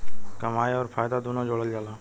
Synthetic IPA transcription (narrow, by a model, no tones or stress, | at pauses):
kəmaːiɔːɾfʰaːjd̪ad̪unõd͡ʒoːɽəld͡ʒaːlaː